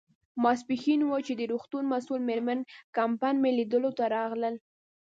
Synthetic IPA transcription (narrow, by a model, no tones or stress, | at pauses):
mɑs̬pixinwət͡ʃed̪əɾuxt̪unmasulmeɾmankampajnmelid̪əlot̪aɾɑɣləl